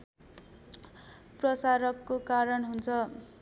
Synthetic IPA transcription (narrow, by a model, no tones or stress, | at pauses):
prʌsaɾʌkːokaɾʌnɦunt͡sʰʌ